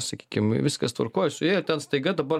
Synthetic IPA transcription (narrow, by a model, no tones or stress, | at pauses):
sɐkʲiːkʲɪmʋʲɪskɐst̪ʋɐ̰rkoːjɛsʊjæːɪt̪ʲɛnst̪ɐɪɡɐd̪ɐbɐr